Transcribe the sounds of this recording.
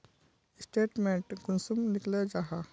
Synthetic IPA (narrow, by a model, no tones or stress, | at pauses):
sʈeːʈmẽɳʈɡunsumnikled͡ʒaɦa